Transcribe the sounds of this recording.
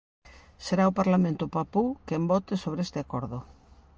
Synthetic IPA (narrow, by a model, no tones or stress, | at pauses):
seɾaupaɾlamẽnt̪upapukembot̪esoβ̞ɾeest̪eakoɾðo